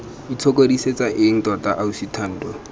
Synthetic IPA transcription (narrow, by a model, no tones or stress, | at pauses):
dit͡sʰokʼodiset͡saʔɪŋ̩tɔtʼaʔausitʰan̩ːdɔ